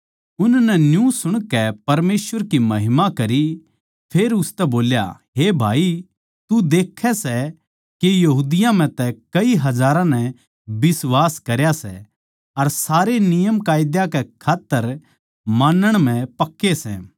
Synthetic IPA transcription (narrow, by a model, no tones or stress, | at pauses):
ʊnnɛnjũsʊɽ̃kɛpɐɾmeːsʋəɾkimɐɦɪmakɐɾi | pʰeːɾʊst̪ɛboːlja̰ | ɦebʱa̰ːi | t̪ud̪eːkʰːɛsɛ | kejɐɦuːd̪ɪjãm̤ɛ̃t̪ɛkɐiɦɐd͡ʒaːɾãnɛ | bɪswaːskɐɾjasɛ̰ | ɐɾsaːɾenɪjəmkaːjd̪jakɛkʰaːt̪ːəɾ | maːnəɽ̃m̤ɛ̃pɐkːesɛ̰ː